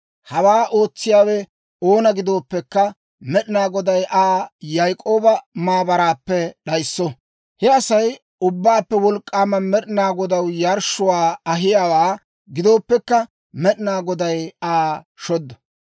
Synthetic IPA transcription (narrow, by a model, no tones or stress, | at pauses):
hɐwaːʔo̞ːt͡sːɪjaːwɛ | oːnɐɡɪd̪o̞ːpːɛkːɐ | mɛɗɪnaːɡɔd̪ɐjʔaːjajkʼo̞ːbɐmaːbɐɾaːpːɛɗɐjsːɔ | hɛɐsɐj | ʊbːaːpːɛwɔlkʼːaːmɐnmɛɗɪnaːɡɔd̪ɐwjɐɾʃʊwaːɐɦɪjaːwaː | ɡɪd̪o̞ːpːɛkːɐ | mɛɗɪnaːɡɔd̪ɐjaː | ʃɔd̪ːɐ